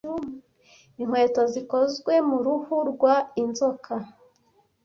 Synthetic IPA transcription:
um | iŋ̥we̞ːtoziko̞zɡwe̞muɾuhuɾɡwainzokʰa

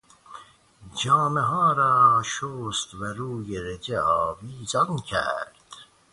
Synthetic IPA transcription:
d͡ʒɑːmeɦɑːɾɑːʃoːst̪væɾuːjeɾed͡ʒeɑːviːzɑnkʰæ̰ɾd̪̥

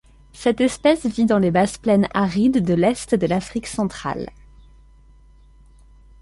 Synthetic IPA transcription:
sɛt̪ɛspɛsvid̪ɑ̃lebazplɛnaʁid̪ːəlɛst̪d̪əlafχiksɑ̃t̪χa̰l

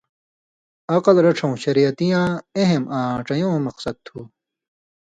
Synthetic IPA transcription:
ɐqɐlɾɐʈ͡ʂʰɐ̃ũɕɐɾijɐt̪ijãːeɦemãːʈ͡ʂɐjõːmɐqsɐd̪̚t̪ʰuː

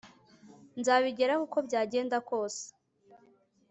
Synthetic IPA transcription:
nzaβiɟe̞ɾakuko̞bɟaːɟe̞ːndako̞ːse̥

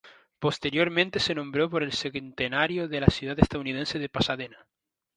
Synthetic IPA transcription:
po̞st̪e̞ɾjo̞ɾmẽnt̪e̞se̞nõmbɾo̞po̞ɾe̞lseɣnt̪enaɾjoðelasjuðat̪est̪aðunið̞ense̞ðe̞pasaðena

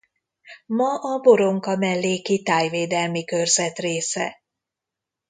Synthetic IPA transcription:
mɒʔɒbo̞ɾo̞ŋkɒmɛlːeːkit̪aːjveːd̪ɛlmikø̞rzɛt̪reːsɛ̰

